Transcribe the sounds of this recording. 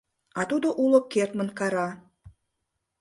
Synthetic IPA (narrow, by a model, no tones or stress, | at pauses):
ɑt̪ud̪oʔulokːert̪mə̆nkɑɾɑ